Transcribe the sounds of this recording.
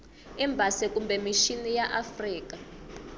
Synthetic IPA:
ɛmbʱasɛkumbɛmiʃinijaʔafriːka

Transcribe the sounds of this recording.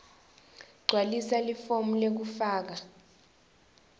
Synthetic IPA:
ɡ͡ǀʱwalisalifomulek̬ufaːk̬a

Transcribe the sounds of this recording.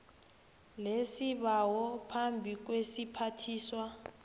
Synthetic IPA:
lesiβawɔpʰambʱik̬wesipʰatʰiːswa

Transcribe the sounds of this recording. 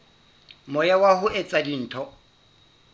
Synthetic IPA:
mʊjawahʊʔɛt͡sʼadin̩ːtʰɔ

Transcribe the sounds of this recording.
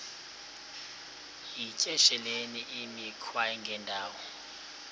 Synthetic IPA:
it͡ʃʼɛʃɛleniʔimikʰwaɛŋɡʱɛndʱaːwɔ

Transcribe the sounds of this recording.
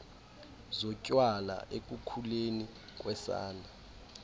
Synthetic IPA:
zɔcʼwala̰ʔek̬ʼukʰuleni | k̬ʼwɛsa̰ːna

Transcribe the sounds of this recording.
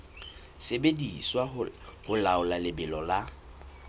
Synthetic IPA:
sebediswahʊlaʊlalɪbɪlɔla

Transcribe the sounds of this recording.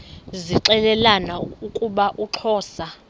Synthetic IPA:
ziǁɛlɛlanaukʼuɓaʔuǁʰɔːsa

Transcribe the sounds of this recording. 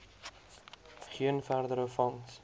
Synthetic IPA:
χiənfærðəɾəfɔŋs

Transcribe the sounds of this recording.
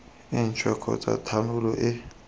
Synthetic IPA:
iːnt͡ʃʰʼwɛkʰɔ̰t͡sʼa̰tʰanulɔʔɛ

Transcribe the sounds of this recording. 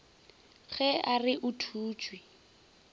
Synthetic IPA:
ɣɛarɪʔʊtʰuːt͡ʃʼwi

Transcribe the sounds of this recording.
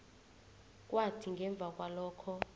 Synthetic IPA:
kʼwatʰiŋɡʱɛɱb̪vʱakʼwalɔːkʰɔ

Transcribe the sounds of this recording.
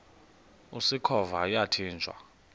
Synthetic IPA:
usikʰɔvajatʰiːnd͡ʒʱwa̰

